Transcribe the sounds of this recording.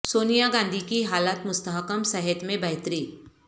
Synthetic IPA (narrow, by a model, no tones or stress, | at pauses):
soːnijaɡãːnd̪ʱikiɦaːlaːt̪mʊst̪əɦəkəmsɐɦɛt̪mẽbɐɦt̪ɾiː